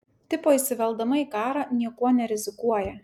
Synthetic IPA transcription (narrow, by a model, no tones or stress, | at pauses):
t̪ʲɪpoːisʲɪʋʲɛlˠd̪ɐmɐikɑːɾɑnʲiɛkuɔnʲɛɾʲɪzʲɪkuɔjɛ